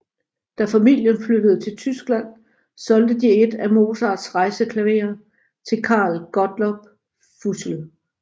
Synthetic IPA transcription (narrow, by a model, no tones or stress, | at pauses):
d̥æfæmil̰jənflød̥əð̞ˠət͡sʰe̝lt͡sʰysɡ̥læn̰ | sɒ̽ld̥əd̥ie̝d̥æmo̝ːsɑ̥ːsʁɑ̈ɪsəkʰlæʋe̝̰ːɐ | t͡sʰe̝lkʰɑ̰̈ːlɡ̥ɒ̽d̥lɒb̥̚ | fusl̩